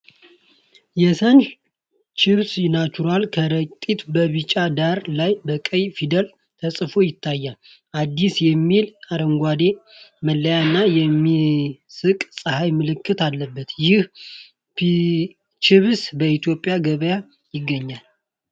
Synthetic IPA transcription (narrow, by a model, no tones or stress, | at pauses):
jɛsən | t͡ʃɪβsnat͡ʃuɾalkʰəɾət̪ʼit̪bəβit͡ʃʼad̪aɾlajbəkʼəjfid̪əl | t̪ʰəsʼfo̞jɪt̪ʰːajːal | ʔad̪ːisjɛmːilaɾəŋɡʷad̪eməlːəjaɨnːajɛmːisɨkʼsʼɨhajmɨlɨkʰːɨt̪alːəbːət̪jɪh | pi | t͡ʃɪβsbəit̪jo̞pʼjaɡəβəja | jɪɡːəɲːal